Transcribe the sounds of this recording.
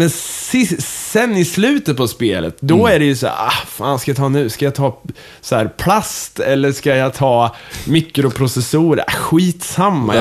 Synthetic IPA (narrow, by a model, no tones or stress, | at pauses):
mɛnsɪssɛnːɪslʉ̟ːt̪ət̪̚pʰɔspeːlə̰t̪d̪ɔæɖɛjɵsæ̰ːɾahfa̰ːnskajat̪ʰɑːnʉ̟ːskajat̪ʰɑː | sɔhæːɾpʰlast̪ɛlːəʂkajɑt̪ʰɑːmɪkːɾʊpʰɾʊsɛsuːɾə̰ɧiːt̪samːa